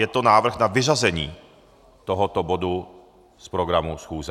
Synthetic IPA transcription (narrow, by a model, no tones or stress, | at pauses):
jɛt̪onaːvr̩ɣnavɪʒazɛɲiː | t̪oɦot̪obodu | spɾoɡɾamusxuːzɛ